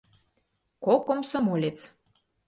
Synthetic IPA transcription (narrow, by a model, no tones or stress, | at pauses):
kokŏmsŏmolʲet͡s